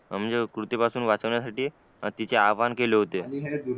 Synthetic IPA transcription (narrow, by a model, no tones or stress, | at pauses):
m̤ə̃nd͡zekɾut̪epasuːnʋat͡səʋɳjasaʈiː | t̪it͡seaʋankeleɦot̪eniɦɛ